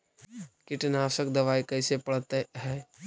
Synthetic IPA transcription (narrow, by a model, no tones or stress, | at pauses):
kɪʈnaːsək̚d̪ɐʋaːikɐɪsepɐɽt̪eɦɛː